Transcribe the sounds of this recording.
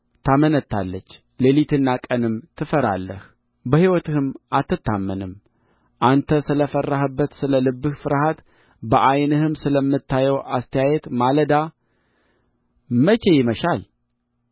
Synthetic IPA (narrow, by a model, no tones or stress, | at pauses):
t̪ʰamənət̪ʰːa̰lːət͡ʃː | lelit̪ʰɨnːakʼənɨmt̪ʰɨfəɾa̰lːəh | bəhiwɔt̪ɨhɨmʔat̪ːɨt̪ʰːamːənɨm | ʔant̪ʰəsɨləfərːaɦəbːət̪sɨləlɨbːɨhfɨɾhat̪ | bəʔajnɨhɨmsɨləmːɨt̪ʰːajɛwast̪ʰəjajɛt̪maləd̪a | mət͡ʃe̞jɪməʃal